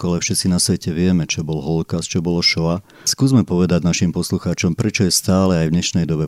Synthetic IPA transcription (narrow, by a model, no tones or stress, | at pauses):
kalɛfʃɛt̪t͡sinasʋɛcɛʋɪɛmɛt͡ʃɛbɔlɦɔlkast͡ʃɔbɔlɔʃɔa | skuːzmɛpɔʋɛd̪aɟnaʃimpɔsluxaːt͡ʃɔmpɾɛt͡ʃɔjɛst̪aːlɛajvɲɛʃnɛjd̪ɔbɛ